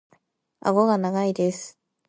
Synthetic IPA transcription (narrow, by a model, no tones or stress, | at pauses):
a̰ɡo̞ɡanaɡaid̪esɨ̥